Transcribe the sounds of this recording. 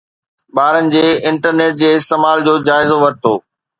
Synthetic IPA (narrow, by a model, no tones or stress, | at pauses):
ɓaːɾənɪ̆d͡ʑeːɪ̃ɳʈəɾneːʈ̚d͡ʑeːɪst̪eːmaːld͡ʑoːd͡ʑaːɪzoʋɐɾ̚t̪ʰoː